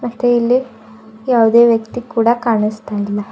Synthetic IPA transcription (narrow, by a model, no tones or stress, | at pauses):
ɾɐt̪eilːi | jaːʋud̪e̞ːʋjɐkt̪ikːuːɽɐkaːɳist̪aːjilːɐ